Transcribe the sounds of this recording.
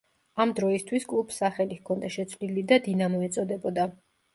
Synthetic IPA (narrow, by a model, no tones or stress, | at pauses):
amd̪ɾɔist̪ʰwiskʼlˠupʰsaχɛlikʰɔnd̪aʃɛt̪sʰvlilid̪ad̪inamɔɛt̪sʼɔd̪ɛbɔd̪a